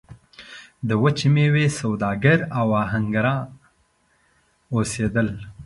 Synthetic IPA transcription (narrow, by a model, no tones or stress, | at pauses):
d̪əwət͡ʃimewesawd̪ɑɡəɾawaɦaŋɡaɾɑ̃ | osed̪əl